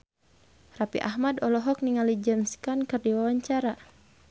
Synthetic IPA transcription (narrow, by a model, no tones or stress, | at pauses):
rapḭʔahmadɔlɔɦɔk̚niŋalid͡ʒənskankɨrdiwawaɲt͡ʃaɾa